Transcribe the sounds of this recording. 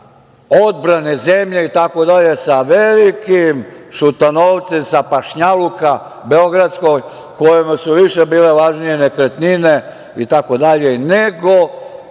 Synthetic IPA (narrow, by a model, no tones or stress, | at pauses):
o̞d̪̚bɾanezemʎe̞it̪ako̞d̪aʎe̞saʋelikimʃut̪anoːʋt̪semsapaʃɲaluka | be̞oɡɾat̪sko̞j | kojemasuʋiʃebiːle̞ʋaʒnijenekɾet̪nine̞ | it̪ako̞d̪aʎe̞neɡo